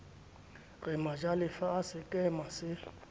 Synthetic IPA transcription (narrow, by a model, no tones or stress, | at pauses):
rɪmad͡ʒalɪfaasɪkʼɛmasɪ